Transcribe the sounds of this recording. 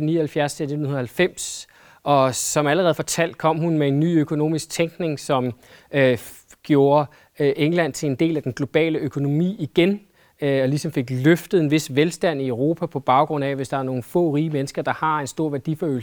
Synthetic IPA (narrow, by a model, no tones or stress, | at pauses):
niːɐhælfjæɐst͡sʰe̥en̩un̩ɐhælfem̰s | ʔɒ̽sɒ̽mæləʁɛð̩ˠfɒt͡sʰæl̰d̥̚kʰɒ̽m̰hunmee̝nːy̰ːøkʰo̝no̝̰ːmisɡ̥̚t͡sʰeŋɡ̥ne̝ŋsɒ̽m | ø | ɡ̥jo̝ːɐ | ʔeŋlæn̰t͡sʰe̝le̝nd̥e̝̰ːlæd̥enɡ̥lo̝b̥ɛ̰ːləʔøkʰo̝no̝mḭːiɡ̥en | ɒ̽lisɒ̽mfe̝ɡ̥løfd̥ð̩ˠe̝nʋe̝sʋelsd̥æn̰iøʊʁo̝ːpʰæpʰɒ̽b̥ɑ̈ʊɡ̥ʁɔ̽n̰ɛʋe̝sd̥ɑ̈æɐno̝ːn̩fɔ̰̽ːʁiːəmenəsɡ̥ɐd̥ɑ̈hɑ̈e̝nsd̥o̝ɐ̰ʋæɐd̥ifɒø̰ːl̩s